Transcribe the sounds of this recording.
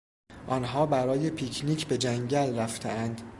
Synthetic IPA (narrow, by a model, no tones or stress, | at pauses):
ʔɒːnɦɒːbæɾɒːje̞pʰiːcʰniːcʰbe̞d͡ʒæŋɟælræft̪ʰḛænd̪̥